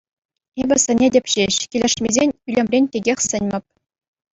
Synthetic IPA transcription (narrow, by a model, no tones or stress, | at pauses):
ebʲɘ̆sɘ̆nʲedʲɘ̆pʲɕeɕkʲilʲɘ̆ʂmʲezʲenʲylʲemʲrʲenʲtʲeɡʲexʲsɘ̆nʲmʲɘ̆p̚ʲ